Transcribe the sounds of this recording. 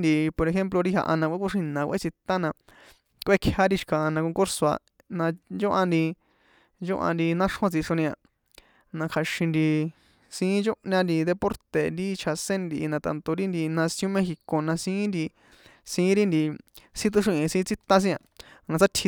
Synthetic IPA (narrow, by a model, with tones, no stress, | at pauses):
nd̪i˧po˧ɾe˧xe˦mplo˧ɾi˦ɦa̰˧ʔa˧nã˧kʷe˦kʷu˦ʂĩ˧nã˨˧kʷʔḛ˦t͡si˧t̪ã˦nã˧ | kʷʔe˦kʰha˦ɾi˧ʃi̥˧kã˨a˧nã˧kõ˧ŋku˦ɾso˧a̰˧ | nã˧d͡ʒo˦ʔa˧nd̪i˧ | nd͡ʒo˦ʔã̰˧nd̪i˧nã˦ʂhõ˧t͡si˧ʂõ˧nĩ˧ã˧ | nã˧kʰa˧ʃĩ˧nd̪i˧ | sĩ˧˦t͡ʃo˦ʔɲã˧nd̪i˧d̪e˧po˦ɾt̪e˨nd̪i˦t͡ʃʰa˧sẽ˦nd̪i˧ʔi˧nã˧t̪a̰˧nt̪o˧ɾi˦nd̪i˧nã˧sj̃õ˦mẽ˦xi˧ko˧nã˧sĩː˦nd̪i˧ | sĩː˧˦ɾi˦nd̪i˧sĩ˦t̪̬u˧ʂ̬ĩ˧ʔĩ˧sĩ˧˦t͡si˦t̪ã˦s̬ĩ˦ã̰˧nã˧t͡sa˦t̪ʰi˧